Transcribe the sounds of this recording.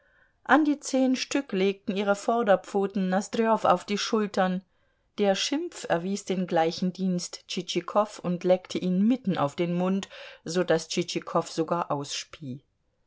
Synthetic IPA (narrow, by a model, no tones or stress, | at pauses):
ʔandiːt͡seːnʃtʏkleːk̚tn̩ʔiːʁ̞əfɔɐdɐp͡foːtn̩ːasd̥ɾeɔfa̰ʊfd̥iːʃʊltɐn | d̥eːɐʃɪmp͡fɛɐviːsd̥eːnɡlaɪçn̩diːnstt͡ʃit͡ʃikʰɔfʊntlɛktʰəʔiːnmɪtn̩ʔa̰ʊfd̥eːnmʊntz̥oːdast͡ʃit͡ʃikʰɔfz̥oɡaːɐʔaʊsʃpʰiː